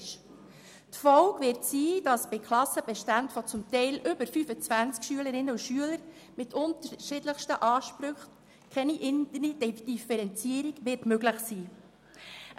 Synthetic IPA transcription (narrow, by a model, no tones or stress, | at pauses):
ʃ | tfɔlkʋɪɾtsiːd̥ɑsb̥ɪkʰlɑsəb̥ɛʃtæntfɔt͡sʊmt̪ɛɪlʔʏbəɾfyfət͡svænt͡skʃyələɾɪnːəuʃyələɾ | mɪtʰʊntəɾʃɪdləχʃtəʔɑːʃpɾʏχ | kʰɛniʔɪndənidd̥ifɛɾɛnt͡siəɾiɡʋɪtmøɡləχsiː